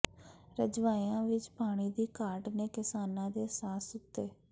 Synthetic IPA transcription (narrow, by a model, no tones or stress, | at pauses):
ɾəd͡ʒʋaːiãːʋɪt͡ʃpaːɽ̃iːd̪iːkaːɾʈneːkɪsaːnãːd̪eːsaːsʊt̪ːeː